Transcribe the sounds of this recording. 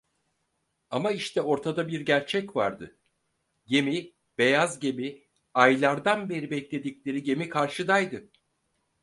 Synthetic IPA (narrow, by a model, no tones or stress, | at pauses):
amaiʃt̪ʰɛo̞ɾt̪ʰad̪abiɾɟæɾt͡ʃʰɛcva̰ɾd̪ɯ̰ | je̞mi | b̥e̞jazɟe̞mi | ajlˠaɾd̪anbe̞ɾibɛclʲe̞d̪iclʲe̞ɾiɟe̞mikʰaɾʃɯd̪ajd̪ɯ